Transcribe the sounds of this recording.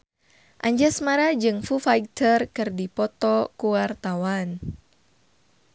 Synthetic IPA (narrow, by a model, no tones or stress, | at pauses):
ʔaɲd͡ʒasmaɾad͡ʒɨŋfufajt̪ərkɨrdipɔt̪ɔkuwart̪awan